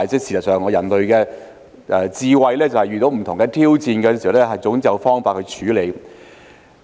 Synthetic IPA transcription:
jt͡sɛː˥siː˨˩sɐ˨t̚sœː˨ŋːɔː˨˧jɐ˨˩nlɵ˨˧ɥkɛː˧ | ʔɛ˧t͡siː˧wɐ˧jlɛː˥t͡sɐ˨whɐ˨jɥyː˨˩t̪o˨˥wm̩˨˩t̪ʰʊ˨˩ŋkɛː˧t̪ʰiː˥wt͡siː˧nkɛ˧si˨˩wlɛ˥ɦɐ˨jt͡sʊ˨˥ŋt͡sjɐ˨wfɔː˥ŋfaː˧kʰɵ˧t͡ʃʰyː˨˥le˨˧j

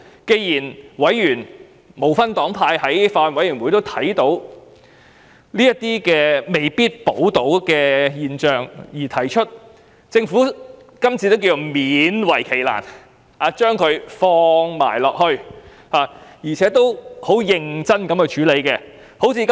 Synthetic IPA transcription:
ke˧jjiː˨˩nwɐ˨˥jjyː˨˩n | mo˨˩wfɐ˥nt̪ɔː˨˥ŋpʰaː˧jhɐ˨˥jfaː˧˨nwɐ˨˥jɥyː˨˩mwu˨˧˥t̪o˥wt̪ʰɐ˨˥jt̪o˨˧˥w | liː˥jɐ˥t̪iː˥kɛː˧me˨˩jpiː˥t̚po˨˥wt̪o˨˥wkɛː˧jiː˨˧nt͡ʃœː˨˩ŋjiː˨˩t̪ʰɐ˨˩jt͡ʃʰɵ˥t̚ | t͡sɪ˧ŋfu˨˥ | kɐ˥mt͡sʰiː˧t̪o˥wkiː˧o˨˧miː˨˧˥nwɐ˨˩jkʰe˨˩jla̰ː˨˩n | aː˨˧t͡ʃœː˥ŋkʰɵ˨˧ɥfɔː˧ŋma̰ː˨˩jlɔː˨k̚hɵ˧ɥ | haː˨˩jiː˨˩t͡sʰɛː˨˥t̪o˥who˨˥wjɪ˧ŋt͡sɐ˥nkɐ˨˥mkɵ˧ɥt͡ʃʰyː˨˥le˨˧jkɛ˧ | ho˨˥wt͡sʰiː˧k

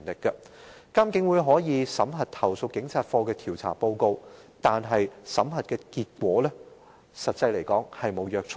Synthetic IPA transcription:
nlɪ˨kːɐ˧ | ka˥mkɪ˨˥ŋwuː˨˧jɦɔː˨˥jiː˨˧sɐ˨˥mɦɐ˨t̚t̪ʰɐ˨˩wso˧k̚kɪ˨˥ŋt͡sʰaː˨˧t̚fɔː˧kɛː˧t̪ʰiː˨˩wt͡sʰa̰ː˨˩po˧wko˧w | t̪aː˨nɦɐ˨jsɐ˨˥mhɐ˨t̚kɛː˧kiː˧t̚kʷɔː˨˥lɛː˥ | sɐ˨t̚t͡sɐ˧jle˨˩jkɔː˨˥ŋhɐ˨jmo˨˧wjœː˧k̚t͡sʰ

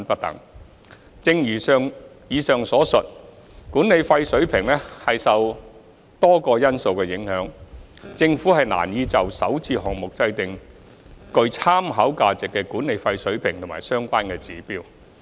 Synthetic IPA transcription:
npɐ˥t̚t̪ɐ̰˨˥ŋ | t͡sɪ˧ŋjyː˨˩sœː˨ŋjiː˨˧sœː˨ŋsɔː˨˥sɵ˨t̚ | kuː˨˥ne˨˧jfɐ˧jsɵ˨˥ɥpʰɪ˨˩ŋlɛː˥hɐ˨jsɐ˨w | t̪ɔː˥kɔː˧jɐ˥nso˨wkɛː˧jɪ˨˥ŋhœː˨˥ŋ | t͡sɪ˧ŋfuː˨˥hɐ˨jna̰ː˨˩njiː˧t͡sɐ˨wsɐ˨˥wt͡siː˧hɔː˨˩ŋ̚mʊ˨k̚t͡sɐ˧jt̪ɪ˨ŋ | kɵ˧ɥt͡sʰaː˥mɦɐ˨˥wkaː˧t͡sɪ˨kːɛː˧kuː˨˥nːe˨˧jfɐ˧jsɵ˨˥ɥpʰɪ˨˩ŋt̪ʰʊ˨˩ma̰ː˨˩jsœː˥ŋkʷaː˥nkɛː˧t͡siː˨˥piː˥w

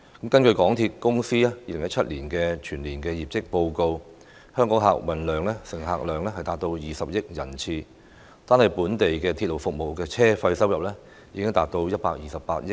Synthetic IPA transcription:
kɐ˨˥mkɐ˥nkɵ˧kɔː˨˥ŋt̪ʰiː˧t̚kʊ˥ŋsiː˥aː˥jiː˨lɪ˨˩jɐ˥t̚t͡ʃʰɐ˥t̚liː˨˩nkɛ˧t͡ʃʰyː˨˩nliː˨˩nkɛː˧jiː˨p̚t͡sɪ˥k̚po˧wko˧w | hœː˥ŋkɔː˨˥ŋɦa̰ː˨˩k̚wɐ˨˩nlœː˨ŋlɛ˥sɪ˨˩ŋɦa̰ː˨k̚lœː˨˩ŋlɛ˥hɐ˨jt̪aː˨˧t̚t̪o˧wjiː˨sɐ˨p̚jɪ˥k̚jɐ˨˩nt͡sʰiː˧ | t̪aː˥nhɐ˨jpuː˨˥nt̪e˨jkɛː˧t̪ʰiː˧t̚lo˨wfʊ˨k̚mo˨˩wkɛː˧t͡sʰɛː˥fɐ˧jsɐ˥wjɐ˨p̚lɛː˥ | jiː˨˧kɪ˥ŋt̪aː˨t̚t̪o˧wjɐ˥t̚paː˧k̚jiː˨sɐ˨ppa̰ː˧˥t̚jɪ˥k̚

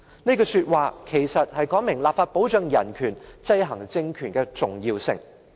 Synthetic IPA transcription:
ne˥kɔː˧syː˧t̚waː˨kʰe˨˩jsɐ˨t̚hɐ˨jkɔː˨˥ŋmɪ˨˩ŋlaː˨p̚faː˧t̚po˨˥wt͡ʃœː˨˧ŋjɐ˨˩nkʰyː˨˩nt͡sɐ˧jɦɐ˨˩ŋt͡sɪ˧ŋkʰyː˨˩nkɛ˧t͡sʊ˨ŋjiː˧wsɪ̰˨ŋ

